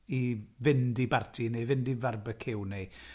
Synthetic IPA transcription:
ivɪndibartʰinejvɪndivarbəkʰɪwne

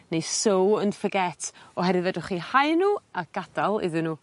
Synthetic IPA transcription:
nejsowənfəɡɛtʰɔɦɛɾɨvɛdʊχihajnuːaɡ̥ad̥alˠɪ̰ðɨnuː

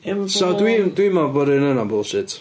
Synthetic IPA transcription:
sat̪ʼwit̪ʼwimapəɾɛnɛnabɔlsɛt͡sʰ

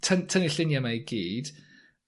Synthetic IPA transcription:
tʰəntʰənɪɬɪnjamaiɡiːd̥

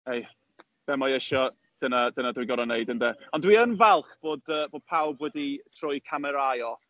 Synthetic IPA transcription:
ej | b̥ɛmɔjɛʃɔ | d̥ənadənadwiɡɔɾɔnejdəndɛːɔndwiənvɛlˠχb̥oːdəːboːd̥̚pʰawbwɛditʰrʊjkʰamɛɾajɔθ

